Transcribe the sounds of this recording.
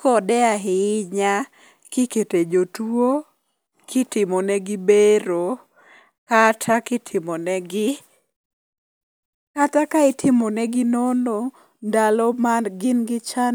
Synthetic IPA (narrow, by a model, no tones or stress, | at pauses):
kɔdɛaɦɪɲa | kɪketed͡ʒotuo | kʰɪtɪmɔnɛɡɪbeɾo | katʰakɪtʰɪmɔnɛɡɪ | katakaɪtʰɪmɔnɛɡɪnono | ndalɔmanɡɪnɡɪt͡ʃan